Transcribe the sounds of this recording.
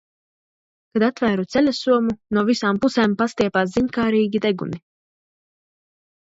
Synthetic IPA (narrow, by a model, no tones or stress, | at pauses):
kad̪at̪væːɾut̪sɛlʲasuɔmunuɔvisaːmpusɛːmpast̪iɛpaːs̬ziɲʲkaːɾiːɡʲid̪ɛɡṵmi